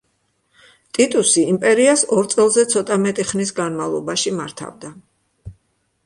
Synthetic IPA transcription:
t̪ʼit̪ʼusiːmpʼɛɾiasɔɾt̪sʼɛlˠzɛt̪sʰɔt̪ʼamɛt̪ʼiχnis̬ɡanmavlˠɔbaʃimaɾt̪ʰa̰vd̪a

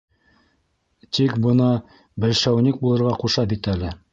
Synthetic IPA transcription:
t̪ikbɤ̆nɑ | bɘ̆lʃæwnʲik̚bulˠɤ̆ɾʁɑquʃɑbit̪ælɘ

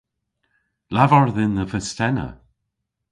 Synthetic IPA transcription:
lavɔɹðɪnðəfəstɛnə̰

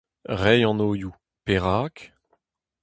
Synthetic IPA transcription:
ʁɛjɑ̃noːju | peʁaːk

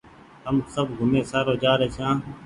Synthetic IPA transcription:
ɦəmsəbɡʱʊmeːsaːɾoːd͡ʒaːɾeːsʰãː

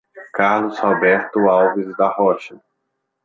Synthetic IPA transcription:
kaɾlʊshɔbɛɾt̪ʊawvizd̪ɐhɔʃɐ

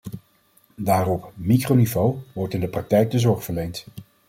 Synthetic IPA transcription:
daːrɔpmikrownivowʋɔɹtɪndəprɑk̚tɛjk̚dəzɔɹχfəɹlejnt

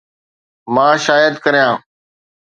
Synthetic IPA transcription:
mãːʃaːjəd̪kəɾjãː

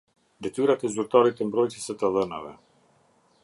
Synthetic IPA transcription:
d̪ɛt̪iɾat̪ɛzuɾt̪ɔɾit̪ɛmbɾɔjsisɛt̪alˠəna̰vɛ̰

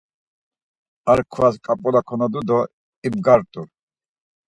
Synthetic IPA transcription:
aɾkʰvaskʼapʼulakʰɔnad̪ud̪ɔ | ibɡaɾt̪ʼuɾ

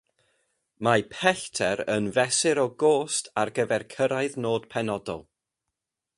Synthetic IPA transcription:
mapʰɛɬtʰɛɾənvɛsɪɾɔɡoːstʰarɡəvɛrkʰəɾaɨðnoːd̥pʰɛnɔdɔ̰lˠ

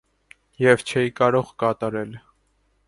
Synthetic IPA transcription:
jɛvt͡ʃʰɛjikɑɾɔʁkɑt̪ɑɾɛl

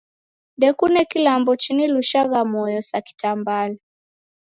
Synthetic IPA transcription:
dɛkunɛkilambɔt͡ʃiniluʃaɣamɔjɔsaki̥tambalɛ

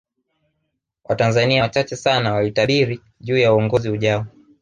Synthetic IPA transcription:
wʔatanzaniat͡ʃat͡ʃɛsanawalitaɓiɾi | ʄuːjauɔŋɡɔzihuʄaɔ

